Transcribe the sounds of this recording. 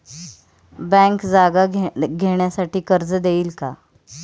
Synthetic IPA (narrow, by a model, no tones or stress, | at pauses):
bɛ̃ŋkd͡zaɡaɡʱeɳjasaʈiːkəɾd͡zd̪eiːlka̰